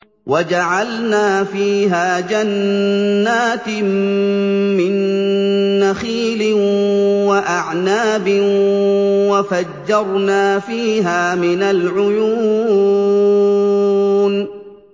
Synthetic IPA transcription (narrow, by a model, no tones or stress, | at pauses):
wʔad͡ʒaʕalnaːfiːɦaːd͡ʒanː | aːt̪ | mɪnː | axiːlɪ | waʔaʕnaːbɪ | wafad͡ʒːɑɾˤnaːfiːɦaːmɪnalʕʊjuː | n